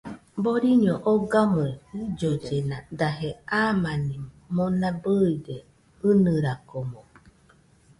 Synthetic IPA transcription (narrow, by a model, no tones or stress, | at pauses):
boɾiɲoʔoɡamɨeid͡ʒod͡ʒenad̪aɦeaːmanim | monabɯide | ɨnɨɾakomõ